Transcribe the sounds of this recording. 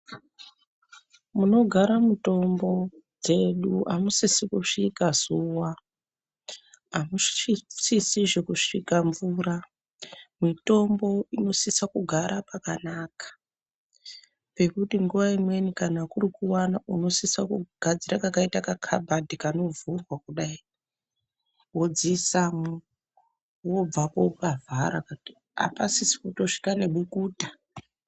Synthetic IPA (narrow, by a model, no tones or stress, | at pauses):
muno̞ɡʱaɾamuto̞mbo̞d͡ze̞ɗuamusisikuʂikazuwa | ɦamusisiʐe̞kuʂikaɱvura | mito̞mbo̞ino̞sisakuɡʱaɾʔapakanakḁ | pe̞kutiŋɡuʋaimwe̞nikanakurikuwanauno̞sisakuɡ̥ʱad͡ziɾakakaitakakʰa̰bʱadikano̞vurwakuɗai | wo̞d͡zisamu | wo̞b͡vapo̞pavʱaɾa̰kai | a̰pasisi̥kuto̞ʂi̥kane̞ɓukuːtḁ